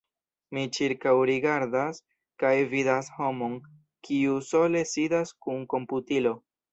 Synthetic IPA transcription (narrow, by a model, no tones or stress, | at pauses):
mit͡ʃiɾkawɾiɡaɾdas | kajvidasho̞mo̞n | kʰiuso̞le̞sidaskunko̞mputilo̞